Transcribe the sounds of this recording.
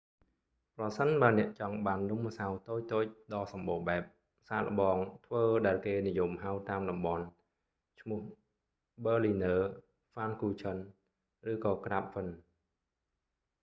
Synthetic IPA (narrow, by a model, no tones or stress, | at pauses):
prɑsənɓaənɛ̆əʔt͡ɕɑŋɓaːnːumsawt̪oːc̚t̪oːc̚ɗɑːsɑmɓoːɓaɛp̚ | saːlə̰̆ɓɑːŋt̪ʰʋəːɗaɛlkeːnijomɦawt̪aːmɗɑmɓɑn | t͡ɕʰmʊ̆əh | ɓəːlinəː | faːnkuːt͡ɕʰən | rɨːkɑːkraːp̚fən